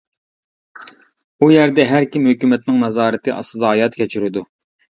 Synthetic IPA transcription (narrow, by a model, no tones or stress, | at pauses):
ujɛɾd̪ɛɦæɾkʲimhøkʲymɛt̪̚nɪŋnɑzɑːɾɨt̪ʰɨʔɑ̰sɨd̪ɑɦɑjɑt̪kʲʰɛt͡ʃʰyɾɪd̪u